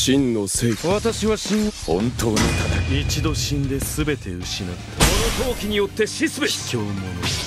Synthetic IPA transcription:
ɕĩnːoseːkβat̪aɕiβaɕĩɰ̃hõ̰nt̪o̞ːnot̪amait͡ɕid̪o̞ɕĩnd̪e̞sɨbe̞t̪e̞ɯ̟ɕinaːakonot̪o̞ːkʲiɲ̟ijo̞t̪ːe̞ɕisɨbekʰʲoːmono

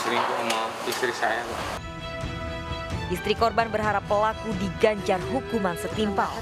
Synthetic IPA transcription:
sɾink̪uma | ist̪ɾisajala̰ | ʔist̪ɾikɔrbanbərɦaɾapːəlakudiɡaɲd͡ʒarɦukumansət̪impal

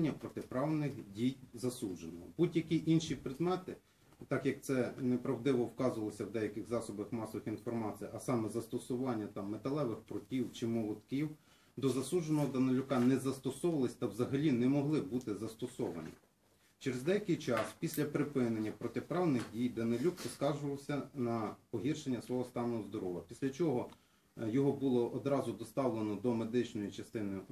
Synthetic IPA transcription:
nʲːɐpɾɔt̪epɾɑwnɪxdʲijzɐsuʒenɔɦɔ̰budʲjɐkʲiʔinʃipɾɪd̪mɛt̪ɪ | t̪ɑkjɐk̚t̪sɛnɛpɾɐwd̪ɪʋɔwkɑzʊʋɐlˠɔsʲɐwd̪ɛjɐkɪxzɑsɔbɐxmɑsɔʋɪxinfɔrmɑt͡s̪ʲijʔɐsɑmɛzɐst̪ɔsʊʋɑnʲːɐt̪ɑmːet̪ɐlˠɛʋɪxpɾʊtʲiwt͡ʃɪmɔlˠɔt̪kiw | d̪ɔzɐsuʒenɔɦɔd̪ɐnelʲʊkɑnɛzɐst̪ɔsɔʋɐlˠɪsʲt̪ɐwzɐɦɐlʲinɛmɔɦlˠɪbut̪ɪzɐst̪ɔsɔʋɐ̰nʲḭ | t͡ʃeɾezd̪ɛjɐkɪjt͡ʃɑspʲisʲlʲɐpɾɪpɪnenʲːɐpɾɔt̪epɾɑwnɪxdʲijd̪ɐnelʲukpɔskɑrʒʊʋɐwsʲɐnɐpɔɦʲirʃenʲːɐsʋɔɦɔst̪ɑnɔɦɔzd̪ɔɾɔʋɐpʲisʲlʲɐt͡ʃɔɦɔ | jɔɦɔbulˠɔʔɔd̪ɾɑzʊd̪ɔst̪ɑwlˠenɔd̪ɔmed̪ɪt͡ʃnɔjit͡ʃɐst̪ɪnɪj

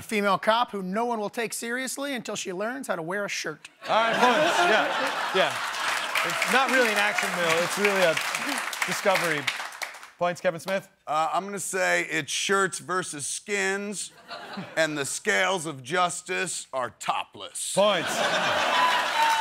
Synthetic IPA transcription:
əfimeɪlˠkʰɑphunoʊwʌ̃nwəlˠtʰeɪksɪɹiɨsliɨ̃ntʰɪlˠʃilɜ̃˞nz̥haʊɾəwɛɹɨʃɜ˞t | ɑlˠɹaɪt̚pʰɔ̃ɪ̃nsjæjæ | ɨtsnət̚ɹɪlˠiɨ̃nækʃɨ̃nmɪlˠɪtsɹɪlˠiɨd̥ɨskʌvə˞i | pʰɔ̃ɪ̃ntskʰɛṽnsmɪθ | ãɪ̃mɡʌnɨseɪʔɪtʃɜ˞tsvɜ˞sɨz̥skɪ̃nz | ɨ̃nðɨskeɪlˠzʌvd͡ʒʌstɨsə˞tʰɑ̰plə̰spʰɔ̃ɪ̃nts

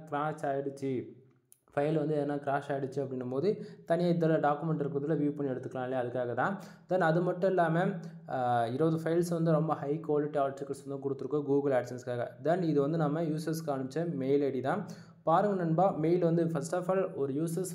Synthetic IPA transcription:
kɪɾaːsaːjɽɯt͡ʃːɯ | fɐɪlʋɐnd̪ɯɛðɐnːãːkɪɾaːʂaːjɪɽɯt͡ʃːɯɐpːɽɪnɯmpoːðɯt̪ɐnɪjaːɪðɐlɐɖaːkːɯmɛɳʈɪɾɯkːɯɾɐðɪlːɐʋiːʋpɐɳːiɛɽɯt̪ːɯkːɐlãːleɐðɯkːaːɣɐt̪ãː | d̪ɐnɐðɯmɐʈːɐ̃ɛlːaːmɐ | ɪɾɯʋɐðɯfɐɪlsʋɐnd̪ɯɾɔmbɐhɐɪkʋaːlɪʈːiaːʈsɪkːɐlsʋɐnd̪ɯ̃kɔɽɯt̪ːɯɾɯkːõːɡuːɡɐlaːʈsɐnskaːɣɐd̪ɐnɪðɯʋɐnd̪ɯnɐmːɐjuːsɐɾskaːɳɯt͡ʃːɐmeɪlɐɽit̪ãː | paːɾɯŋɡɐnɐnbaːmeɪlʋɐnd̪ɯfɐsʈɐfaːlɔɾɯjuːsɐɾs

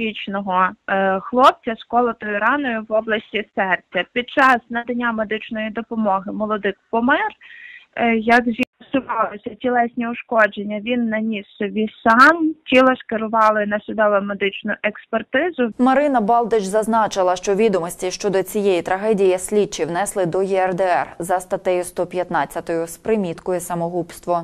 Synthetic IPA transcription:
it͡ʃnɔɦɔxlˠɔp̚t͡sʲɐskɔlˠɔt̪ɔjʊɾɑnɔjʊʋɔblˠɐsʲtʲisɛrt͡sʲɐpʲid̪̚t͡ʃɑsnɐd̪ɐnʲːamed̪ɪt͡ʃnɔjid̪ɔpɔmɔɦɪmɔlˠɔd̪ɪkpɔmɪr | jɐkzʲiɐsʊʋɑlˠɪsʲɐtʲilˠɛsʲnʲiʊʃkɔd͡ʒenʲːɐʋʲinːɐnʲisɔbʲisɑmtʲilˠɔskɪɾʊʋɑlˠɪnɐsʲʊd̪ɔʋˠɐmed̪ɪt͡ʃnʊʔɛkspert̪ɪzʊmɐɾɪnɐbɑlˠd̪ɪt͡ʃzɐznɑt͡ʃɪlˠɐʃt͡ʃɔʋʲid̪ɔmɔsʲtʲiʃt͡ʃɔd̪ɔt͡sʲijɛjit̪ɾɐɦɛdʲijɐsʲlʲit͡ʃːiwnɛslˠɪd̪ɔjiɛrd̪ɛɛrzɐst̪ɐt̪ɛjʊst̪ɔpʲjɐt̪nɑt͡sʲːɐt̪ɔjʊspɾɪmʲit̪kɔjɛsɐmɔɦupst̪ʋɔ

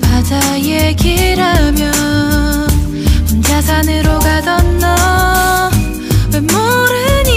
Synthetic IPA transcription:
kad͡ʑa | jekiɾamjʌ | ɯnt͡ɕasʰanɯɾoɡadʌnːʌ | wenmoɾɯɲi

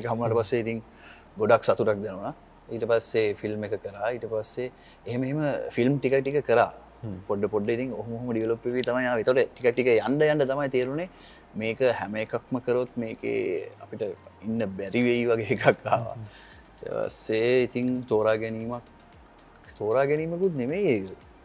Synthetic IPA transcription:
eːkəɦamunaːʈəpasːeit̪iŋ | ɡoɖaksat̪uɾak̚d̪ɛnuʋna | iːʈəpasːefilmekəkəɾaːiːʈəpasːeː | ɦeməeɦeməfilmʈikak̚ʈikəkəɾaː | poɖːəpoɖːəit̪iŋoɦumoɦoməɖiʋəlopʋeʋiːt̪amajaːʋet̪əʈəʈikak̚ʈikəjaɳɖəjaɳɖət̪amajt̪eːɾune | meːkəhæməekakməkəɾot̪meːkḛːa̰piʈəinːəbæɾiʋeiʋaɡeekʰakːaːʋa̰ | iʈə̰pa̰sːeit̪iŋt̪oːɾaːɡɛniːmak | t̪oːɾaːɡɛniːməkut̪nemejeʋil

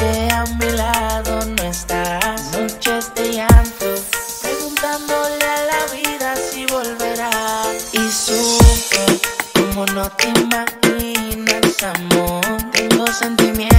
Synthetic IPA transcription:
t̪eamilaðo̞noest̪asut͡ʃoest̪ejant̪o | pɾeɣunt̪and̪olealaβiðasiβo̞lβe̞ɾaisufekomonot̪emaxinesamot̪eŋɡo̞se̞nt̪imje

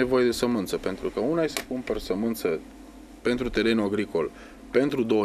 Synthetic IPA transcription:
evo̞jed̪e̞səmɨnt̪səpe̞nt̪ɾukəunajesekumpersəmɨnt̪sə | pe̞nt̪ɾut̪e̞ɾe̞nuaɡɾiko̞l | pe̞nt̪ɾud̪o̞ə

